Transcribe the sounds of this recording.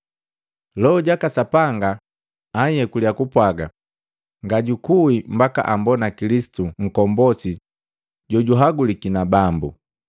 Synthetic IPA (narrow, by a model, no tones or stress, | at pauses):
lɔɔɟakasapaŋɡa | aiɛkuliakupwaɡa | ŋɡaɟukuimbaka̰ʔambɔnakilisi̥tuŋ̩kɔmbɔsi | ɟɔɟuɦaɡulikinabambṵ